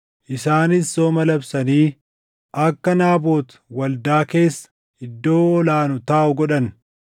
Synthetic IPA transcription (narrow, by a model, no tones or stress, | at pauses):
ʔɪsaːnɪsːoːmɐlɐbsɐniː | ʔɐkːɐnaːboːt̪ | wɐld̪aːke̞ːsːɐ̥ | ɪd̪ːo̞ːɔlaːnʊt̪aːʔʊɡɔᶑɐn